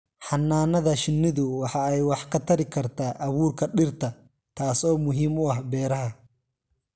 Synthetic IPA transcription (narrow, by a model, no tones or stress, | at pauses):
ħɑnːaːnɐðɐʃɪnːɪðʊwɑħɑɛjwɑħkʰɐt̪ʰɐɾɪkʰɐrt̪ʰaːʔɐβuːrkʰɐɖɪrt̪ʰɐ | t̪ʰaːsɔːmʊɦiːmʊɐɦbɛːɾɐɦɐ